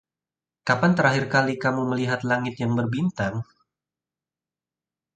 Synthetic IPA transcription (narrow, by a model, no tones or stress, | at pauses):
kapant̪əɾaɦirkalikamuməliɦat̪laŋɪt̪jaŋbərbint̪aŋ